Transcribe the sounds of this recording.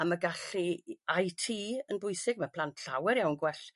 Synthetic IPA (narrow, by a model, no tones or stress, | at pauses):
amaɡaɬiajtʰiːənbʊɨsɪɡ̚mapʰl̥ˠantʰɬawɛɾjawnɡwɛɬ